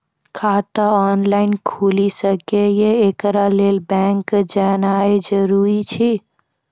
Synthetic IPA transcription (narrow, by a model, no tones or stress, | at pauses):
kʰaːt̪aɔːnlaːɪnkʰuːlisəkejeeːkɾaleːlbɛ̃ːŋkd͡ʒaːnaːed͡ʒəɾuːɾit͡ʃʰi